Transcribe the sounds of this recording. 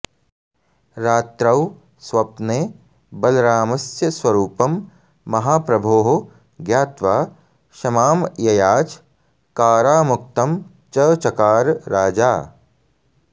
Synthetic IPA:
ɾaːt̪ɾɐw | sʋɐp̚neː | bɐlɾaːmɐsjɐswɐɾuːpɐmː | ɐɦaːpɾɐbʱoːɦo | ɡjaːt̪ʋaː | ʃɐmaːmjɐjaːt͡ʃ | kaːɾaːmuk̚t̪ɐm | t͡ʃɐːt͡ʃɐkaːɾɾaːd͡ʒaː

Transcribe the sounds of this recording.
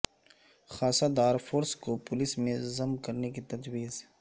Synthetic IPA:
xaːsad̪aːɾfʰoːɾskopʊlɪsmẽzɐmkɐɾnekit̪ɐd͡ʒwiːz

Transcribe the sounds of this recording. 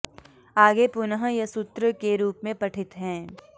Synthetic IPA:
aːɡepʊnəɦjɐsʊt̪ɾəkeɾuːpmẽpɐʈʰɪt̪ɦɛ̃ː

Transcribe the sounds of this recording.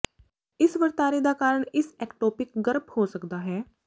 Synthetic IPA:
ɪsʋəɾt̪aːɾid̪aːkaːɾəɳɪsɛːkʈoːpɪkɡəɾbhoːsəkd̪aːɦɛː

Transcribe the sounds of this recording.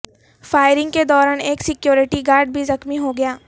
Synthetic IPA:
faːɪɾɪ̃ŋɡ̚ked̪ɔːɾaːneːksɪkjoːɾɪʈiɡaːɾɖ̚bʱizɐxmiɦoɡɐjaː

